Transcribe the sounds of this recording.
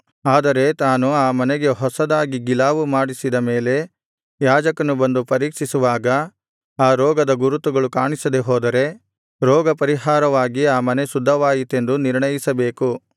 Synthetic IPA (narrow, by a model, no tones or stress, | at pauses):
aːd̪ɐɾe̞t̪aːnuaːmɐnɛɡe̞ɦɔsɐd̪aːɡiɡilaːʋumaːɽisid̪ɐme̞ːle̞ | jaːd͡ʒɐkɐnubɐnd̪upɐɾiːkʂisuʋaːɡɐ | aːɾɔːɡɐd̪ɐɡuɾut̪uɡɐɭukaːɳisɐd̪eɦoːd̪ɐɾe̞ | ɾɔːɡɐpɐɾiɦaːɾɐʋaːɡiaːmɐne̞sud̪ʱːɐʋaːjit̪e̞nd̪uniɾɳɐjisɐbe̞ːku